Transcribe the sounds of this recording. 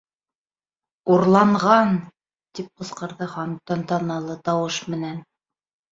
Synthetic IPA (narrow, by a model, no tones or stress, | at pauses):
uɾlˠɑɴʁɑn | t̪ip̚qɤ̆sqɤ̆ɾðɤχɑn̚t̪ːɑnt̪ɑnɑlˠɤt̪ɑwɤʃmɘ̆næn